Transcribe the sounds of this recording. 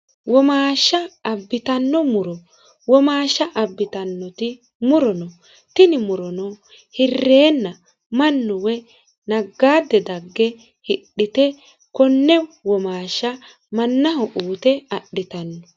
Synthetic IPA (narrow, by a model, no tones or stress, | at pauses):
wɔmaːʃːɐːbːɪt̪ɐnːɔmʊɾɔ | wɔmaːʃːɐʔɐbːɪt̪ɐnːɔt̪ɪ | mʊɾɔnɔ | t̪ɪnɪmʊɾɔnɔ | hɪrːe̞ːnːɐ | mɐnːɔwɛ | nɐɡːaːd̪ːɛd̪ɐɡːɛ | hɪɗːɪt̪ɛ | kɔnːɛwɔmaːʃːɐ | mɐnːɐhɔʔuːt̪ɛɐɗːɪt̪ɐnːɔ